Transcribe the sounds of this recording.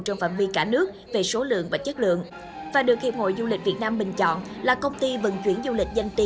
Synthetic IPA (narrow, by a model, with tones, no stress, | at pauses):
t͡ɕɔ˧wŋ͡mfa̰ː˧˨nvi˧kaː˧˩nɨ˦˥ək̚ve˨˩so˨˦lɨ̰˧˨əŋvaː˨˩t͡ɕə˦˥t̚lɨ̰˧˨əŋ | vaː˨˩ɗɨ˨˩ək̚hḭ˨˩w̚ho̰˧˨jzu˧lï˨˩k̟̚vi˨˩ət̚naː˧mɓï˨˩ŋ̟t͡ɕɔ̰˧˨n | laː˨˩kə˧wŋ͡mt̪i˧vɨ̰˨˩nt͡ɕwi˧˩ənzu˧lï˨˩k̟̚zə˧jŋt̪i˧